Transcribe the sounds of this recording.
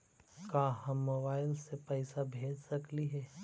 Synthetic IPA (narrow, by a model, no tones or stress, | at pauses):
kaːɦɐmːoːbaːɪlsepɛːsabʱeːd͡ʒsɐkliɦɛː